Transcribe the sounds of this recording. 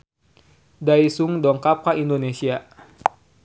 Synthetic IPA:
daisuŋdɔŋkap̚kaindonesia

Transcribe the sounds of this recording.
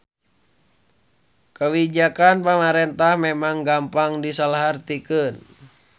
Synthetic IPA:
kəwid͡ʒakanpamaɾɛnt̪ahmɛmaŋɡampaŋdisalaɦart̪ikən

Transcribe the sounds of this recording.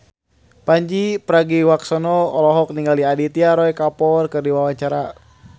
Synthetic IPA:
paɲd͡ʒipəɾaɡiwaksɔnɔɔlɔɦɔk̚niŋɡaliadit̪iaɾɔjkapɔrkɨrdiwawaɲt͡ʃaɾa

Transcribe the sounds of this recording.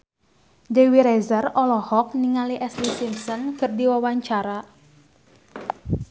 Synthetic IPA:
dewiɾɛzərɔlɔhɔk̚niŋaliʔɛslisimsɔnkɨrdiwawaɲt͡ʃaɾa

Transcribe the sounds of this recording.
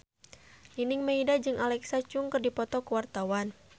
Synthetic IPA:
ninɪŋmeidad͡ʒɨŋʔalɛksat͡ʃuŋkɨrdipɔt̪ɔkəwart̪awan

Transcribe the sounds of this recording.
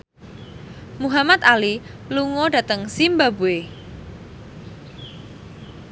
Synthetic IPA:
muɦamat̪̚ali | luŋɔɖa̤t̪əŋsimbabue

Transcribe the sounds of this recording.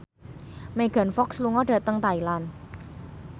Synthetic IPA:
meɡ̥a̤nfɔksluŋɔɖ̥ä̤t̪əŋt̪ailan

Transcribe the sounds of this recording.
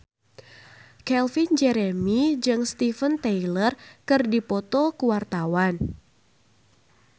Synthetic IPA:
kɛlfind͡ʒɛɾɛmid͡ʒɨŋst̪ifənt̪ɛilərkɨrdipɔt̪ɔkuwart̪awan

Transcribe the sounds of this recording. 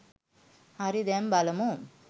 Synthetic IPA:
ɐɾid̪embɐlɐmum

